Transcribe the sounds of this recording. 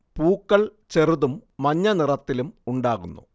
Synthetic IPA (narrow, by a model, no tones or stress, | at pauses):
puːkːɐɭ | t͡ɕeruðumːɐɲːɐnirɐt̪ːilumuɳɖaːɣunːṵ